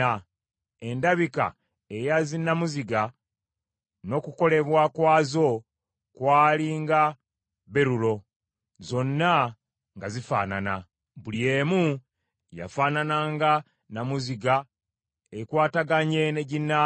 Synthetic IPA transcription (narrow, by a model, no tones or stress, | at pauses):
a | e̞ndaβika̰ | e̞jazinːamuziɡa | no̞kuko̞le̞βwakwaːzo̞ | kwaːliŋɡa | βeɾulo̞ | zo̞nːa | ŋɡazifa̰ːnana | βulie̞ːmu | ja̰faːnanaːŋɡa | namuziɡa | ekwaːtaɡaɲe̞neɟinːa